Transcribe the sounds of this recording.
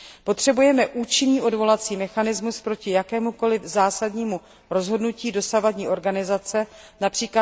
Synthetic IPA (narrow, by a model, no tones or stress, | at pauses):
po̞t̪r̝̥ɛbujɛmɛʔuːt͡ʃɪniːʔo̞dvo̞lat͡siːmɛxanɪzmuspɾo̞cɪjakɛːmuko̞lɪvzaːsadɲiːmu | ɾo̞zɦo̞dnuciːdo̞savadɲiːʔo̞ɾɡanɪzat͡sɛnapr̝̥iːkla